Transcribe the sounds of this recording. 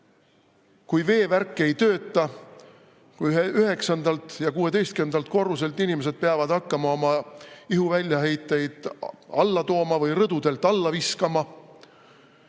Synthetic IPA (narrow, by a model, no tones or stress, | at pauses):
kujve̞ːværkˑːee̞jt̪ø̞ːt̪ːˑɑ | kujɦeyɦe̞ksɑnd̪ɑlt̪jɑkuːe̞t̪e̞jst̪̚kynd̪̥ɑlt̪̚ko̞rːuselt̪ːˑinimese̞d̪̥̚peɑvɑd̪̥ɑkːɑmɑo̞mɑiɦuvælʲjɑɦe̞jt̪ːˑejd̪̥ɑlːɑt̪o̞ːmɑvɯjrɤd̪̥ud̪̥e̞lt̪ːˑɑlːɑviskɑmɑ